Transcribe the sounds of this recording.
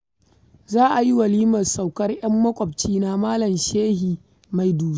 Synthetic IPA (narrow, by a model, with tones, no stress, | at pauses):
zaː˦ʔa˨ji˦wɐ˨liː˦mɐ˨nsa˨wkɐ˦rj̰ɐ˦mːɐ˦kʷʼɐ˨b̚t͡ʃiː˦na˦maː˦lɐ˨mʃeː˦hiː˨ | ma˨jduː˨˦